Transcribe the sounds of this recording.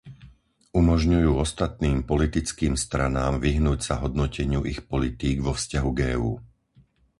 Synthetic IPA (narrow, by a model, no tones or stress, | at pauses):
umɔʒɲujuːɔst̪at̪̚niːmpɔlit̪it͡skiːmst̪ɾa̰naːmʋiɦnuːcsaɦɔd̪nɔcɛɲɪuʔixpɔlit̪iːɡʋɔfscaɦuɡɛːuː